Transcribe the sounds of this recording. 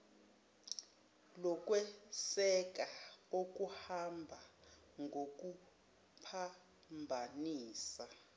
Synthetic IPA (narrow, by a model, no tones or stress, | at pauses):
lɔk̬ʼwɛsɛk̬ʼaok̬ʼuhambʱa | ŋɡʱok̬ʼu | pʰa | mbʱaniːsa